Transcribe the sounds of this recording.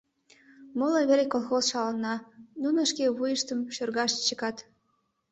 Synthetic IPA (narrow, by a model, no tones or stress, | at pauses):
mɤləβeɾʲekolˠxosʃɑlənːɑnunə̆ʃkeβujəʃt̪ə̆mʃørɣɑʃt͡ɕəkɑt̪